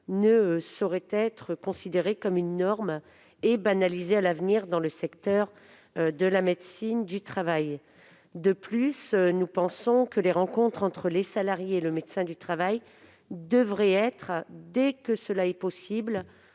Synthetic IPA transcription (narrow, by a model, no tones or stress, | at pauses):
nəsɔʁɛt̪ɛt̪χəkɔ̃sid̪eʁekɔmynːɔʁm | ebanalizealavniʁd̪ɑ̃ləsɛkt̪œʁ | d̪əlamed̪sind̪yt̪χavaj | d̪əplysnupɑ̃sɔ̃kəleʁɑ̃kɔ̃t̪χɑ̃t̪χəlesalaʁjeːləmed̪sɛ̃d̪yt̪χavaj | d̪əvʁɛɛt̪χd̪ɛkəsəlaɛpɔsibl